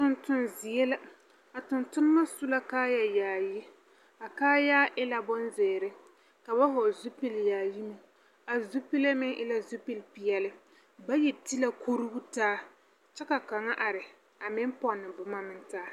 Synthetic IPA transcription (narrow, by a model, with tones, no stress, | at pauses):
tʊ˦ntʊ˦nzi˨jɛ˦la˦ | a˨tʊ˨ntʊ˦nɨ˦ma˦su˦la˦kaː˦ja˨jaː˨ji˦ | a˨kaː˦jaː˦ʔɪ˦la˦bɔ˦nzeː˨ɾɪ˦ | ka˨ba˦ɦo˨zu˦pi˦ljaː˨ji˦mɨ˦ | a˨zu˦pi˦la˦mɪ˦ŋʔɪ˦la˦zu˦pi˦lpi˨jɛ˨lɪ˦ | ba˦jɛ˨ti˦la˦kʰo˦ɾu˦ɡu˦taː˦ | t͡ʃɛ˦ka˨ka˨ŋa˦ʔa˨ɾɪ˨ | a˨mɪ˦m˦pɔ˦nːɨ˨bʊ˨ma˦mɪ˦n˦taː˦